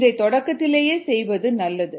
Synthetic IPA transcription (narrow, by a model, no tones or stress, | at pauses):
ðɐɪt̪ːɔɽɐkːɐt̪ːɪleːjeːsɛjʋɐðɯnɐlːɐðɯ